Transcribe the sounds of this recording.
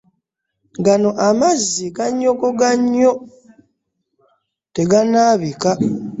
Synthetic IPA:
ɡano̞ʔamazːiɡaɲːo̞ɡoɡaɲːo̞ | te̞ɡanaːβika

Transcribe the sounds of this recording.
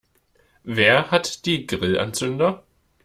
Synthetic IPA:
veːɐhatd̥iːɡʁɪlʔa̰nt͡sʏndɐ

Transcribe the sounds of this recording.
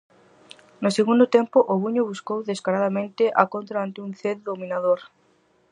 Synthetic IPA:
nʊseɣund̪ʊt̪empʊʔʊβuɲʊβuskowðeskaɾaðamẽnt̪ɪʔakont̪ɾaant̪euŋθeððomĩnaðoɾ

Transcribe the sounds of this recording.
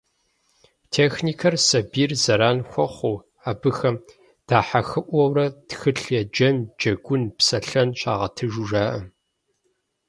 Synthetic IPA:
tʰeːxniːkʰɐrsɐbiːrzɐɾaːnxʷɔχʷuː | aːbɨxɐm | d̥aːħaxɨʔʷɔwrɐtxɨɬjɛd͡ʒɐnd͡ʒɐɡʷʊnpsɐɬɐnɕʼaːʁɐ̰tʰɨʒuʒaːʔɐ

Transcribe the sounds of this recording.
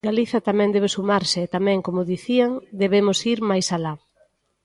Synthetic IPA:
ɡaliθɐt̪amɛ̃nd̪ɛβesumaɾsɪːt̪amɛ̃ŋkomʊðiθiaŋd̪eβemʊsiɾmajsala

